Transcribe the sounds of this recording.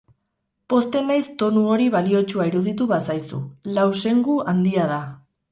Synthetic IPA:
po̞st̪e̞najst̪o̞nuo̞ɾiβ̞alio̞t͡ʃuaiɾuðit̪̬uβasajsṵlawse̞ŋɡuand̪iað̞a

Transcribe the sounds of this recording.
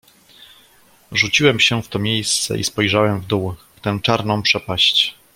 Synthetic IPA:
ʐut͡ɕiwɛmɕɛft̪ɔmʲjejst̪sɛ̰ʔḭspɔjʐawɛmvd̪uwft̪ɛ̃t͡ʂaɾnɔ̃w̃pʂɛpaɕt͡ɕ

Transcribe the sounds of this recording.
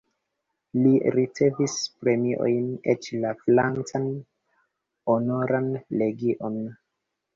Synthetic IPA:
liɾit͡se̞vispɾe̞miʔo̞̰jnet͡ʃlaflant͡san | onoɾanle̞ɡiʔo̞n

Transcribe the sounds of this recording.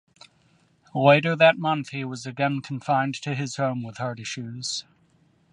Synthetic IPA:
leɪɾə˞ðɨt̚mʌ̃nθhiwʌzɨɡɛ̃nkʰɱ̩fãɪ̃ntʰɨɪz̥hõʊ̃mwɨð̥hɑ˞ɾɪʃʉz̥

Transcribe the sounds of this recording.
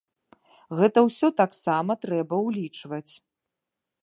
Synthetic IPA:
ɣɛt̪ɐwsʲɔt̪aksamɐt̪ɾɛbɐwlʲit͡ʂvɐt͡sʲ

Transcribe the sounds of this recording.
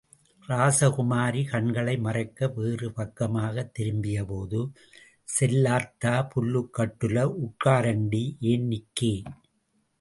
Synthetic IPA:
ɾaːsɐkʊmaːɾikɐɳɡɐɭɐɪmɐrɐɪkːɐʋeːrɯpɐkːɐmaːɣɐt̪ːɪɾɯmbɪjɐpoːðɯ | sɛlːaːt̪aːpʊlːɯkːɐʈːɯlɐʊʈkaːɾɐɳɖiʔeːnnɪkːeː

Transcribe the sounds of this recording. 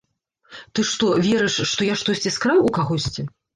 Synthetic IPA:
t̪ɨʂt̪ɔvʲɛɾɛʂːt̪ɔjaʂt̪ɔsʲt͡sʲiskɾawukaɣɔsʲt͡sʲi

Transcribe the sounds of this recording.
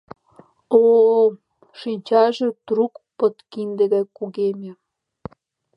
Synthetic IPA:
o | ʃinʲt͡ɕɑʒĕt̪rukpɤ̆t̪kind̪ɘ̆ɣækuɣemʲĕ

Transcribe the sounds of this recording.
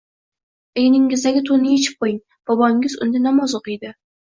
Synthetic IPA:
ejnɪŋɪzd̪aɡʲɪt̪ʰonɪjet͡ʃʰɪ̥p̚qʰojɪŋ | b̥ɒbɒŋɪzʊ̰nd̪ɪnamɒzoqɨjd̪ɪ

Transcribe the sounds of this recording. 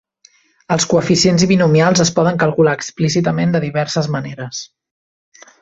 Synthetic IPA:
əlˠskuəfisienziβinumialˠzəspɔðəŋkəlˠkulaːksplisit̪əmend̪əðiβɛɾsəzməneɾəs

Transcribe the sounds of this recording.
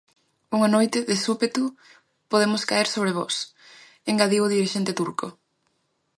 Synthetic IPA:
uŋanojt̪ɪðɪsupet̪u | poðemʊskaeɾsoβ̞ɾeβɔ̰s | eŋɡaðiʊðiɾiʃent̪ɪt̪uɾko

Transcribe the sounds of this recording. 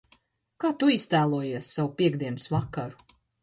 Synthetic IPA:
kaːt̪uist̪æːlˠuɔjiɛsːawupʲiɛɡd̪iɛnsvakːaɾu̥

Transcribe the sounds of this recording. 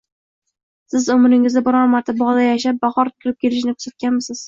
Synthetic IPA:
sɪzʊmɾɪŋɪzd̪abɒɾɒɾmaɾt̪ʰabɒʁd̪ajaʃap̚baχɒɾkʰʲɪɾɪp̚kʲʰeɾɪʃ̬nɪkʰʊ̥sat̪̚kʲanmɪsɪz̥

